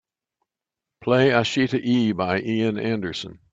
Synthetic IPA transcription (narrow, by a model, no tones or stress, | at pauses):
pʰl̥eɪəʃiɾɨʔibaɪʔiɨ̃næ̃ndə˞sə̰̃n